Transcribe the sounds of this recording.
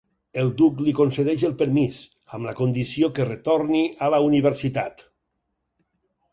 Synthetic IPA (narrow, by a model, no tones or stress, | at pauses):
elˠd̪uklikonseðɛʃelˠpeɾmiz | amlakond̪isiokeret̪oɾnialauniβeɾsit̪a̰t̪